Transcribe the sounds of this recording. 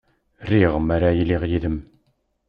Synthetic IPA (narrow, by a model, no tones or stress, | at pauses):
riʁəmæɾajiliʁjiðəm